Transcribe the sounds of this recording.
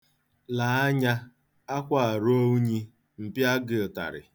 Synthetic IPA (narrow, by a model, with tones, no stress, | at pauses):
la˨a˦ɲa˦ | a˦kʷa˦˨a˨ɾo˦u˦ɲi˦ | m̩˨pja˦ɡɪ˨ʊ˨ta̰˨ɾɪ̰˨